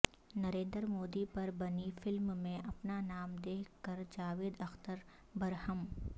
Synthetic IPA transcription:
nɐɾẽːnd̪ɾmoːd̪ipɐɾbɐnifɪlmmẽʔɐpnanaːmd̪eːkəɾd͡ʒaːʋeːd̪ɐxt̪əɾ | bɐɾhəm

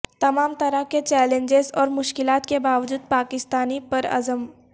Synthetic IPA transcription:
t̪ɐmaːmt̪ɐɾəɦket͡ʃɛːlẽnd͡ʒezɔːɾmʊʃkɪlaːt̪kebaːʋd͡ʒuːd̪̚paːkɪst̪aːnipɐɾɐ̰zəm

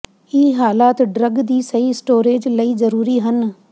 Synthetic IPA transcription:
iːɦaːlaːt̪ɖɾəɡd̪iːsɐiɪsʈoːɾeːd͡ʒlɐizɐɾuːɾiɦən

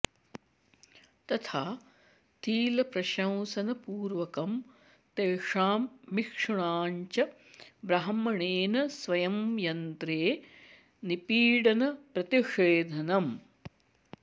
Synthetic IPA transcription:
t̪ɐt̪ʰaː | t̪iːlɐpɾɐʃɐ̃w̃sɐnɐpuːɾʋɐkɐm | t̪eːʂaːmːikʂɐɳaːɲt͡ʃɐ | bɾɐɦɐmɐɳeːnɐsʋɐjɐmjɐnt̪ɾeː | nipiːɽɐnɐpɾɐt̪iʂeːd̪ʱɐnɐm

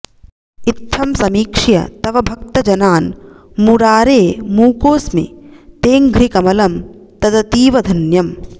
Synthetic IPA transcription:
it̪ʰːɐmsɐmiːkʂjɐ̰t̪ɐʋɐbʱɐk̚t̪ɐd͡ʒɐnaːn | muɾaːɾeːmuːkoːsmḭt̪eːŋɡʱɾikɐmɐlɐmt̪ɐd̪ɐt̪iːʋɐd̪ʱɐnjɐm

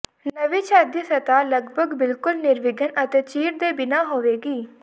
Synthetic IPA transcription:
nəʋiːt͡ʃʰɛːd̪isət̪aːləɡbʱəɡbɪlkʊlnɪɾʋɪɡənət̪eːt͡ʃiːʈd̪eːbɪnaːɦoːʋeːɡiː

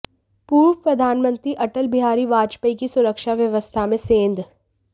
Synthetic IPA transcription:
puːɾʋəpɾɐd̪ʱaːnmə̃nt̪ɾiʔɐʈəlbɪɦaːɾiʋaːd͡ʒpəikisʊɾəkʃaʋjɐʋəst̪ʰamẽsẽːnd̪

